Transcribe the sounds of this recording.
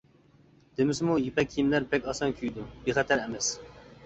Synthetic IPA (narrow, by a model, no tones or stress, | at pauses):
d̪̥emɪsɪmujipɛk̚ʲʰːijimlæɾpɛkʲɑsɑŋkʲʰyjd̪ub̥eχɛt̪ʰæɾɛmɛs